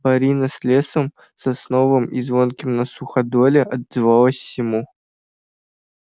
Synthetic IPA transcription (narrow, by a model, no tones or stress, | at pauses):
bɐɾʲinɐsʲlʲesəm | sɐsnovəmizvonkʲɪmnɐsuχɐd̪olʲeʔɐd̪zɨvɑlˠəsʲsːʲɪmu